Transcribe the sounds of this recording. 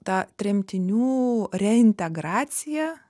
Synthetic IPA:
t̪ɑːt̪ʲɾʲɛmʲt̪ʲɪnʲuːɾʲɛɪnʲt̪ʲɛɡɾɑːt̪sʲɪjɛ

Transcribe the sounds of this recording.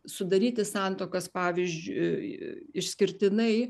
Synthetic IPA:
sʊd̪ɐɾʲiːt̪ʲɪsɑnt̪oːkɐspɑːʋʲizʲd͡ʒʲʊ | ɪʃʲsʲkʲɪɾʲt̪ʲɪnɐɪ

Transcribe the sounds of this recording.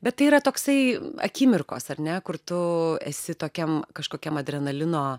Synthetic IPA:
bʲɛt̪t̪ːɐɪiːɾɐt̪oːksɐɪɐ̰kʲiːmʲɪrko̰ːsɐɾʲnʲɛkʊɾt̪ʊɛsʲɪt̪oːkʲɛmkɐʃkoːkʲɛmɐd̪ʲɾʲɛnɐlʲɪnoː

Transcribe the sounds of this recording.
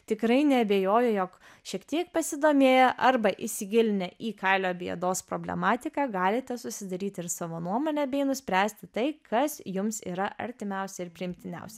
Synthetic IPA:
t̪ʲɪkɾɐɪnʲɛɐbʲeːjoːjɛjoːk | ʃʲiɛkt̪ʲiɛk̚pɐsʲɪd̪oːmʲeːjɛʔɐɾbɐʔɪsʲɪɡʲɪlʲɪnʲɛʔiːkɐɪlʲoːbʲiɛd̪oːspɾoːbʲlʲɛ̰mɑːt̪ʲɪkɑːɡɑːlʲɪt̪ʲɛsʊsʲɪd̪ɐɾʲiːt̪ʲɪɾsɑːʋoːnuɔmoːnʲɛbʲɛɪnʊsʲpʲɾʲæːsʲt̪ʲɪt̪ɐɪkʰɐsjʊmsḭːɾɐʔɐ̰ɾʲt̪ʲɪmʲɛʊsʲɛɪɾpʲɾʲɪɪmʲt̪ʲɪnʲɛ̰ʊsʲɛ

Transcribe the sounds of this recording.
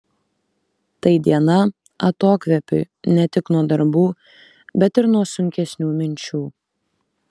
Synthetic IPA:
t̪ɐɪd̪ʲiɛnɐ | ɐt̪oːkʲʋʲɛpʲʊ | nʲɛt̪ʲɪknuɔd̪ɐɾbuː | bʲɛt̪ɪɾnuɔsʊŋʲkʲɛsʲnʲuːmʲɪnʲt͡ʃʲuː

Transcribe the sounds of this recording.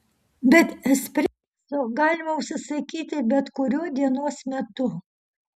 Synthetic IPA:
bʲɛt̪sʲpʲɾʲɛ | soːɡɑːlʲɪmɐʊʃʲsʲɪsɐkʲiːt̪ʲɪbʲɛt̪kʊɾʲuɔd̪ʲiɛnoɔsmʲɛt̪ʊ

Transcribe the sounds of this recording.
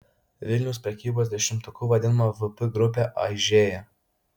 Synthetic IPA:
ʋʲɪlʲnʲɛʊspʲɾʲɛkʲiːboːsd̪ʲɛʃʲɪmt̪ʊkuʋɐd̪ʲɪnɐmɐvɨpɨɡɾʊp̬ʲeʔɐ̰ɪʒʲeːjɛ

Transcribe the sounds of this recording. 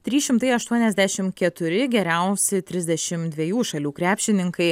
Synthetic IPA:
t̪ʲɾʲiːʃʲɪmt̪ɐɪɐʃt̪uɔnʲɛzʲd̪ʲæːʃʲɪmkʲɛt̪ʊɾʲɪɡʲɛɾʲɛˑʊsʲɪt̪ʲɾʲɪzʲd̪ʲɛʃʲɪmd̪ʲʋʲiɛjuːʃɐlʲuːkɾʲæːpʲʃʲɪnʲɪŋkɐɪ

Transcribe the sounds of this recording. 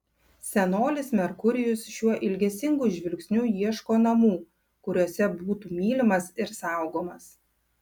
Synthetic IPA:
sʲɛnoːlʲɪsmʲɛɾkʊɾʲɪjʊsʃʲuɔʔɪlʲɡʲɛsʲɪŋɡuːʒʲʋʲɪlʲksʲnʲuːjiɛʃkoːnɐmuː | kʊɾʲoɔsʲɛbuːt̪uːmʲiːlʲɪmɐsɪɾsɑˑʊɡoːmɐs

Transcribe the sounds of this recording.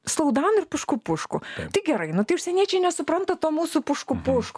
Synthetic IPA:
slˠɐʊd̪ɑːnʊɪrpʊʃkʊpʊʃkʊt̪ɐɪɡʲɛɾɐɪnʊt̪ɐɪʊʃʲsʲɛnʲiɛt͡ʃʲɛɪnʲɛsʊpɾɐnt̪ɐt̪oːmuːsuːpʊʃkuːpʊʃkː

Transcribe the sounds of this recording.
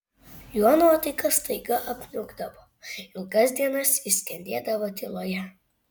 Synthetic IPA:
juɐnoːt̪ɐɪkɐst̪ɐɪɡɐʔɐpʲnʲʊɡd̪ɐʋoː | ɪlˠɡɐsd̪ʲiɛnɐsisʲkʲɛnʲd̪ʲeːd̪ɐʋoːt̪ʲelˠoːjɛ

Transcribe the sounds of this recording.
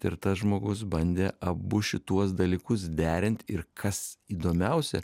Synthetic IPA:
ɪ̰ɾt̪ɐsʒmoːɡʊs̬bɐnʲd̪ʲeːʔɐbʊʃʲɪt̪uɔs̬d̪ɐlʲiːkʊs̬d̪ʲæːɾʲɪnʲt̪ʲɪɾkʰɐsiːd̪oːmʲɛʊsʲɛ̰

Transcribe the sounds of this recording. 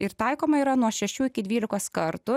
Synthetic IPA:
ɪɾt̪ɐɪkoːmɐiːɾɐnuɔʃʲɛʃʲuːɪkʲɪd̪ʋʲiːlʲɪkoːskɐɾt̪ʊ

